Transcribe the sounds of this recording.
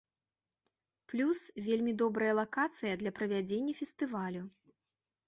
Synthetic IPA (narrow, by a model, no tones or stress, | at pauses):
plʲusvʲelʲmʲid̪ɔbɾɐjɐlˠakat̪sɨjɐd̪lʲɐpɾɐvʲad͡zʲenʲːɐfʲɛst̪ɨvalʲu